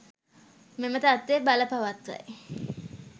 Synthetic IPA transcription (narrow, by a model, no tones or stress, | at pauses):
memət̪at̪ʋebaləpaʋat̪ʋa̰j